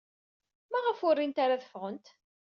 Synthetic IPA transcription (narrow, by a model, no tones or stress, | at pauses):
mæʁəfʊrːint̪aɾaθə̥fʁənt̪